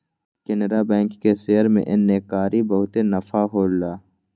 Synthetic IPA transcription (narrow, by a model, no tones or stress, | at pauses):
kenɾabɛ̃ːŋkːesejəɾmḛ̃ʔɪnːeːkaːɾibɐɦʊt̪enɐfaɦoːlːaː